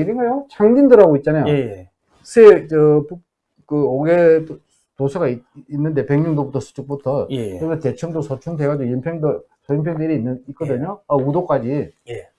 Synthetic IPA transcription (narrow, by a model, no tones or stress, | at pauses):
iɾenŋɡajot͡ɕʰaŋdindɯɾɦaɡoit̚t͡ɕ͈anajo | kɯsʰet͡ɕʌpu | kɯoɡe | tosʰaɡaiinːɯnde̞peŋɲʌŋdobutʰʌs͈ʰɯ̥t͡ɕʰuk̚p͈utʰʌɯɾete̞t͡ɕʰʌŋdosʰʌt͡ɕʰuŋdeɡad͡ʑiojimpʰeŋdɯsʰʌjinpʰeŋdeɾiinːɯit̚k͈ʌdɯɲoaudok͈ad͡ʑije